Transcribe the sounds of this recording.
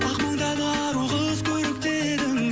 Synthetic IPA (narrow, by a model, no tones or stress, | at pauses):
ɑqmɑɴd̪ɑd̪ɑ | ɾuʁəzkʲʰɵɾɪk̚t̪e̞ | d̪ɪm